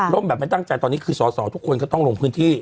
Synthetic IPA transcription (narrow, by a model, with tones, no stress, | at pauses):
lo˥˩mbɛː˨˩p̚ma˧jt̪a˥˩ŋt͡ɕa˧jt̪ɔː˧nːiː˦˥kʰɯː˧sɔː˩˦sɔː˨˩˦t̪ʰu˦˥kʰːo˧nkɔː˥˩t̪ɔ˥˩lo˧ŋpʰɯː˦˥nt̪ʰiː˥˩